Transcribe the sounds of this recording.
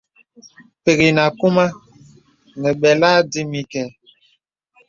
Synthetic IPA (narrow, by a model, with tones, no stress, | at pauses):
pe˨ɣi˨na˨ku˦ma˦ | nə˨ɓɛ˨la˦de˦mi˦kɛ˨